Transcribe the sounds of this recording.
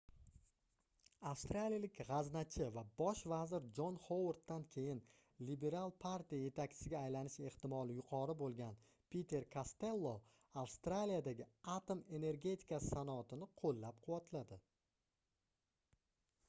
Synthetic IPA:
afst̪ɾalʲijalɪkʲʁɑznat͡ʃʰɪvabɒʃvazɪɾd͡ʒonhowuɾt̪ːankʲʰe̞jɪn | libe̞ɾalˠpʰaɾt̪ijaje̞t̪ʰakʲt͡ʃʰɪ̥sɪɡʲaːjlanɪʃe̞ht̪ɪmɒlˠɪjʊqʰɒɾɪbolˠɡʲan | pʰʲet̪ʰe̞ɾkʰast̪e̞lˠːo | afst̪ɾalijad̪aɡʲɪat̪ome̞ne̞ɾɡʲe̞t̪ʰɪ̥kassanɒːt̪ʰɪnɪqʰolːap̚qʰʊwat̪lad̪ɪ

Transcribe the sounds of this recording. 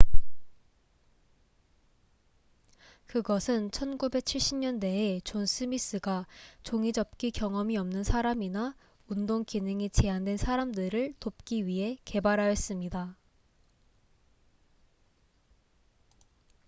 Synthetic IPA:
kɯɡʌsʰɯnt͡ɕʰʌnɡube̞k̚t͡ɕʰiɭɕ͈ʰimɲʌnde̞et͡ɕons͈ʰɯmis͈ɯɡat͡ɕoŋid͡ʑʌp̚k͈ikjʌŋʌmiʌmnɯnsʰaɾamina | undoŋkinɯŋit͡ɕe̞andwe̞nsʰaɾamdɯɾɯɭtop̚k͈iɥiɦe̞ke̞baɾɦajʌs͈ɯmɲida

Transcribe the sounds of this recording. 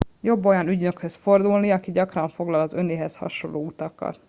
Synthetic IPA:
jo̞bːo̞jɒnyɟnø̞khøsfo̞rd̪ulniɒkiɟɒkrɒɱfo̞ɡlɒlɒzø̞neːɦɛshɒ̰ʃo̞lːoːut̪ɒkːɒ̰t̪

